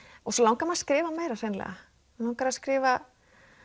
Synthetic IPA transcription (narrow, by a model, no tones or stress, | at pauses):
ɔsɔlawŋkamaðskɾɪːvameːjɾasejnlɛ̰ɣa̰ | lawŋkaɾaskɾɪːva